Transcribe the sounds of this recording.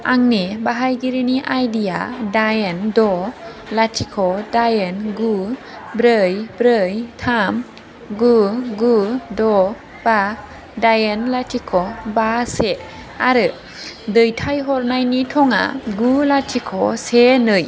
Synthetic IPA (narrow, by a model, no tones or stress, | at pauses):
ʔaŋnibaɦajɡiɾiniʔajdija̰dajendɔ | latʰikʰɔdajenɡu | bɾɯjbɾɯjtʰam | ɡuɡudɔ | b̥a | dajenlatʰikʰɔbase | aɾɯ | dɯjtʰajɦɔɾnajnitʰɔŋa̰ɡulatʰikʰɔsenɯj